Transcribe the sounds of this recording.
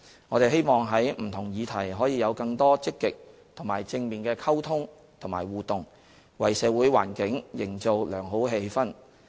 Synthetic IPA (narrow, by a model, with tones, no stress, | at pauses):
ŋɔː˨˧ɾe˨jɦe˥jmɔː˨ŋɦɐ˨˥jm̩˨˩t̪ʰʊ˨˩ŋjiː˨˧t̪ʰɐ˨˩jɦɔː˨˥jiː˨˧jɐ˨˧wkɐ˧ŋt̪ɔː˥t͡sɪ˥kːɪ˨k̚t̪ʰʊ˨˩ŋmaː˨˩jt͡sɪ˧ŋmiː˨˩nkɛː˧kʰɐ˥wt̪ʰʊ˥ŋ | t̪ʰʊ˨˩ŋma̰ː˨˩jwuː˨˩t̪ʊ˨˩ŋ | wɐ˨˩jsɛː˨˧wu˨˥jwa̰ː˨˩nkɪ˨˥ŋjɪ˨˩ŋt͡so˨wlœː˨˩ŋɦo˨˥wɦe˧jfɐ˥n